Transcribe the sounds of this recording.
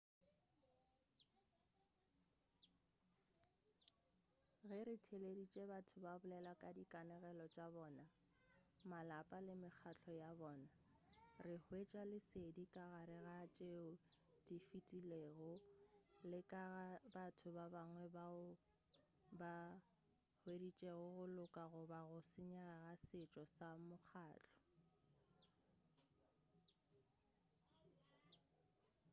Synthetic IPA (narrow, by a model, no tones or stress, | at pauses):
ɣɛɾɪtʰeledit͡ʃʼebatʰʊbabʊlɛlakʼadikʼanɛɣɛlɔt͡ʃʼabɔːna | malapʼalɪmɪk͡xʰat͡ɬʰʼɔjabɔːna | rɪhʊet͡ʃʼalɪsedikʼaɣaɾɪɣat͡ʃʼeʊ | difitʼileːɣʊ | lɪkʼabatʰʊbabaŋwɛba | ba | hwedit͡ʃʼeɣʊɣʊlʊkʼaɣʊbaɣʊsɪɲɛɣaɣasɪt͡ʃʼɔsamʊk͡xʰaːt͡ɬʰɔ̥